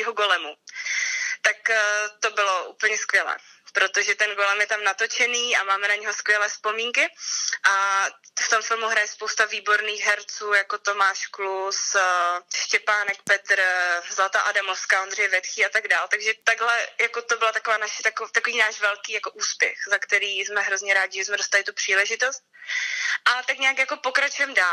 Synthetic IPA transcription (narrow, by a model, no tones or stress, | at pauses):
ɦoɡo̞lɛmu | t̪akːt̪o̞bɪlo̞ʔṵːpl̩ɲɛskvʲjɛlɛ̰ːpɾo̞t̪o̞ʒɛt̪ɛnɡo̞lɛmjɛt̪amnat̪o̞t͡ʃɛniːʔamaːmɛnaɲɛɦo̞skvʲjɛlɛːspo̞miːŋkɪʔaft̪o̞mfɪlmuɦɾajɛspowst̪aviːbo̞ɾniːxɦɛɾt͡suːjako̞t̪o̞maːʃklus | ʃcɛpaːnɛk̚pɛt̪ɾzlat̪aʔadamofskao̞nd̪r̝ɛjɛvɛt̪xiːat̪aɡdaːlt̪aɡʒɛt̪aɡɦlɛjakot̪obɪlat̪akovaːnaʃɛ̥t̪akt̪akoviːnaːʃvɛlkiːjako̞ʔuːspjɛ̰xzakt̪ɛɾiːsmɛɦɾo̞zɲɛɾaːɟɪʒɛsmɛdost̪alɪt̪upr̝̥iːlɛʒɪt̪o̞st̪̚ | ʔat̪akɲɛjakjako̞po̞kɾat͡ʃujɛmdaː